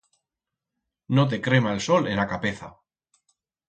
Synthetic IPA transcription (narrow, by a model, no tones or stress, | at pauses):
not̪̬e̞kɾe̞maelso̞lenakapeθa̰